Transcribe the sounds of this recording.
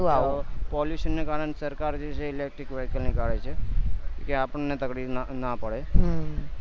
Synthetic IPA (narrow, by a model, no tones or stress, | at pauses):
apɔljuʃənːekaɾəɳsəɾkaɾd͡ʒet͡ʃʰeɪlek̚ʈɾikʋeɦkəlnikaɽet͡ʃʰekeapəɳːet̪əklifnapəɽeɦ